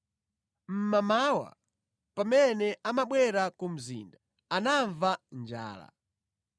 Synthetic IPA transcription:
m̩mamawa̰ | pamɛnɛamaɓwɛɾakum̩zḭːnda | anaɱvand͡ʒa̰ːla̰

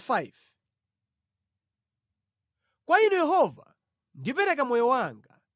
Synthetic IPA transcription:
fajv | kwainujɛɦɔva̰ | ndip̬ɛɾɛkamɔjɔwaŋɡa

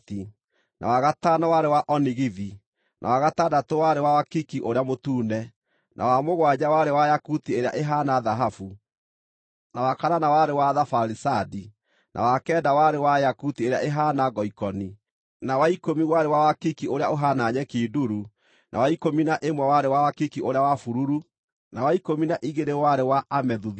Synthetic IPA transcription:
ti | nʔa̰waɣatanawaɾewaʔɔniɣiði | nʔa̰waɣatadatowaɾewawakikiʔoɾeamotuːnɛ | nʔa̰wamoɣwaɲawaɾewajakutieɾea̰ʔeɦaːnaðaɦafu | nawakaɾanawaɾewaðafaɾisadi | nʔa̰wakɛːdawaɾewajakutieɾeaʔeɦaːnaɡɔikɔni | nawaikomiwaɾewawakikioɾeaoɦanaɲɛkiduɾu | nʔa̰waikominaʔemwawaɾewawakikiʔoɾeawafuɾuɾu | nawaikominaʔiɣeɾewaɾewaʔamɛðuð

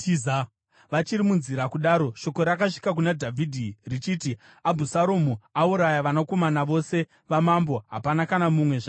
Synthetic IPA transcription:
iz | ʋat͡ʃiɾimunziɾakuɗaɾo̞ʃo̞ko̞ɾakaʂi̥kak̬unadʱavʱidʱirit͡ʃiːti | abʱusaɾomuauɾajaʋanokomanaʋo̞se̞ | ʋamambo̞ɦa̰panakanamumwe̞ʐa

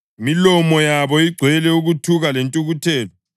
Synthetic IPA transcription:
milɔmɔjaβɔiɡ͡ǀʱwɛlɛuɣutʰuɣalentʼuɣutʰɛːlɔ

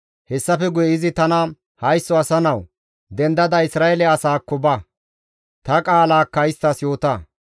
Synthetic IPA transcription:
hɛsːɐfɛɡʊjɪzɪt̪ɐnɐ | hɐjsːɔɐsɐnɐw | d̪ɛnd̪ɐd̪ɐɪsɾaːɛlɛɐsaːkːɔbɐ | t̪ɐkʼaːlaːkːɐɪst̪ɐsjo̞ːt̪ɐ

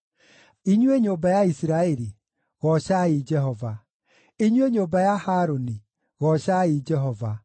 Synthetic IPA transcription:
iɲweɲoːbajaisiɾaɛɾi | ɣɔɕaed͡ʒɛɦɔva | eɲweɲoːbajahaːɾoni | ɣɔɕaed͡ʒɛɦɔva

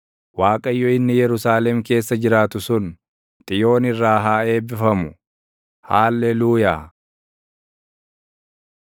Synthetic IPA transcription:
waːkʼɐjːɔɪnːɪjɛɾʊsaːlɛmke̞ːsːɐd͡ʒɪɾaːt̪ʊsʊn | t̪ʼɪjo̞ːnɪrːaːɦaːe̞ːbɪfɐmʊ | haːlːɛluːjaː

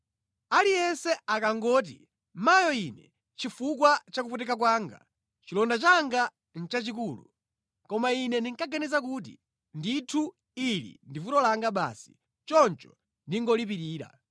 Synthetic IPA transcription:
alijɛnsɛakaŋɡɔːt̬ḭ | majɔinɛ | t͡ʃifuk̬wat͡ʃakuputɛkak̬waːŋɡa̰ | t͡ʃilɔndat͡ʃaŋɡa | n̩t͡ʃat͡ʃik̬uːlṵ | kɔmainɛndiŋkaɡanɛzak̬uːt̬ḭ | nditʰu | ilḭndivutɔlaŋɡaɓa̰ːsi̥ | t͡ʃɔnt͡ʃɔ̥ | ndiŋɡɔlip̬iɾiːɾa̰

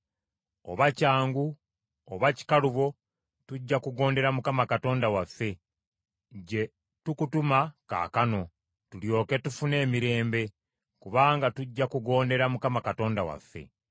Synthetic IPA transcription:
o̞̰βacaːŋɡuː | βaci̥kaluβo̞ | tuɟːakuɡo̞ːnde̞ɾamukamakato̞ːndawafːe̞ | ɟe̞ | tukutumaka̰ːkano̞ | tuljo̞ːke̞tufune̞ːmiɾe̞ːmbe̞ | kuβaːŋɡatuɟːakuɡo̞ːnde̞ɾamukamakato̞ːndawa̰fːe̞̰

